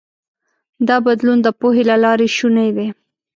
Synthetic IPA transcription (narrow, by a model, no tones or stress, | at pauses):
d̪ɑbad̪lund̪əpoɦelalɑɾeʃunejwe